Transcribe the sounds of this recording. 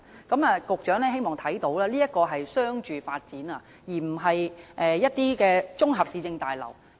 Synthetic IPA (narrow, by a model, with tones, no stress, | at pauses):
kɐ˨˥maː˧kʊ˨k̚t͡ʃœː˨˥ŋlɛː˥he˥jmɔː˨˩ŋt̪ʰɐ˨˥jt̪o˨˥wlaː˥liː˥ɐ˥t̚kɔː˧ɦɐ˨jsœː˥ŋt͡ʃyː˨faː˧t̚t͡siː˨˥naː˧ | jiː˨˩m̩˨˩ɦɐ˨jʔɛː˨jɐ˥t̚t̪iː˥kɛː˧t͡sʊ˥ŋɦɐ˨p̚siː˨˧t͡sɪ˧ŋt̪aː˨jlɐ̰˨˩w